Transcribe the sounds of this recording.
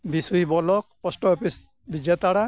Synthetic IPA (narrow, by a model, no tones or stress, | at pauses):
bisujbɔlɔk̚pɔstɔɔpis | bid͡ʒjat̪aɽa